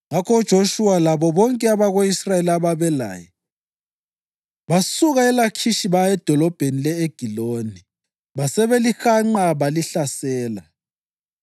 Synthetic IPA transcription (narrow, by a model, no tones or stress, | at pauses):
ŋakʰɔud̥ʒ̥ʱoʃuwalaβɔβɔŋkʼɛaβaɣoisraeliaβaβɛla̰ːjɛ | βasuɣaɛlakʰiʃiβaɛd̥ʱɔlɔb̥ʱenilɛeɡ̥ʱiloːni | βasɛβelixaŋ͡ǃaβaliɬasɛːla